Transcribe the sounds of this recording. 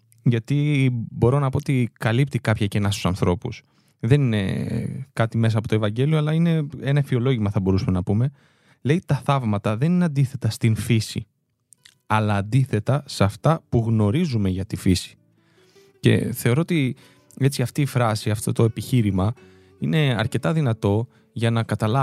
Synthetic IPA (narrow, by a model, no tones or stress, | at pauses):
ʝɐt̪ibo̞ɾo̞nɐpo̞ot̪ikɐlip̚t̪ikɐpçɐcenɐst̪u̥sɐnθɾo̞pṵs | ðe̞nine̞̰kɐt̪ime̞s̬ɐpo̞t̪ovɐɲɟe̞lio̞ɐlɐine̞e̞nɐfio̞lo̞ʝimɐθɐbo̞ɾusɐmenɐpume̞ | le̞it̪ɐθɐvmɐt̪ɐðe̞nineɐnd̪iθe̞t̪ɐst̪infisḭ | ɐlɐːnd̪iθe̞t̪ɐsɐft̪ɐpuɣno̞ɾizume̞ʝɐt̪ifisi̥ | ce̞̰θe̞o̞ɾo̞ot̪i | e̞t͡siɐft̪iːfɾɐsiɐft̪o̞t̪o̞e̞piçiɾimɐ | ine̞ɐ̰ɾce̞t̪ɐðinɐt̪o̞ | ʝɐnɐkɐt̪ɐlɐ